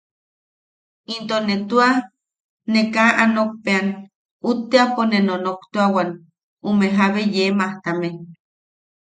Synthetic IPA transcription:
int̪onːet̪ua | nekaʔanok̚pean | ut̪ːeaponenonokt̪oawan | umeɦaβejemaht̪ame

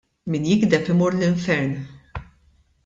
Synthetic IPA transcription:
miːnjɪɡd̪ɛpɪmɔɾlɪɱfɛɾn

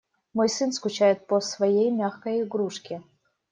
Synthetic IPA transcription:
mojsɨnskʊt͡ɕajɪt̪̚pəsvɐjejmʲaxkəjɪɡɾuʂkʲɪ

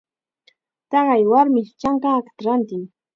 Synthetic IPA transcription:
t̪ɑɢɑjwaɾmɪt͡ʃaŋkaːkḁt̪aɾant̪ɪŋ

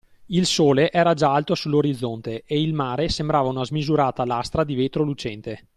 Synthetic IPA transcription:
ilsoːleʔɛːɾad͡ʒaalt̪osulːoɾid̪zːont̪eeilmaːɾesembɾaːvaunazmizuɾaːt̪alast̪ɾad̪iveːt̪ɾolut͡ʃɛnt̪e

